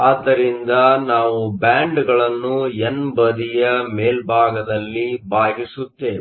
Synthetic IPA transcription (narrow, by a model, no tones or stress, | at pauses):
aːd̪ːɐɾind̪ɐnaːʋubaːɳɖɡɐɭɐnːuenbɐd̪ijɐmeːlbʱaːɡɐd̪ɐlːibʱaːɡisut̪ːe